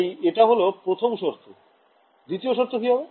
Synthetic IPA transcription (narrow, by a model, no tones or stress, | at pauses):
jeʈaɦolopɾot̪ʰomʃoɾt̪ʰo | d̪it̪ioʃoɾt̪ʰokiɦɔbe